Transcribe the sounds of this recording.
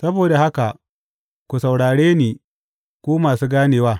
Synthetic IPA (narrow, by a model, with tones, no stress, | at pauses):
sɐ˦boː˨da˨ha˦ka˨ | kʷu˨sa˨wɽaː˨ɽeː˦niː˨ | kʷoː˦maː˨suː˦ɡaː˦neː˨waː˦˨